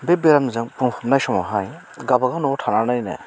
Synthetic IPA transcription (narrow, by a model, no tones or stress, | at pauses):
bebeɾamnzɯŋpɯŋpʰɯmnajsɔmɔɦaj | ɡabaɡɯnɔtʰananajnɯ̰